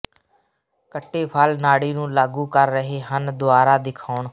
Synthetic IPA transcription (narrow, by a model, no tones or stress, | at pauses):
kəʈːeːpʰaːlnaːɽiːnũːlaːɡuːkəɾːəɦeːɦənd̪ʊaːɾaːd̪ɪkʰaːɳ